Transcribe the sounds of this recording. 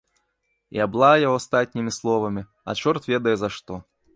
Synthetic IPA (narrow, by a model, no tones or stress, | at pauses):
j̰ablˠajaɔast̪at̪ʲnʲimʲislˠɔvɐmʲi | ɐ̰t͡ʂɔrt̪vʲɛd̪ɐjɛzɐaʂt̪ɔ